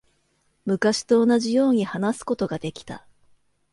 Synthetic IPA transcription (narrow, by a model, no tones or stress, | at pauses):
mɯ̟kaɕi̥t̪o̞ːnaʑijo̞ːɲ̟ihanasɨ̥ko̞t̪o̞ɡad̪e̞kʲi̥t̪a̰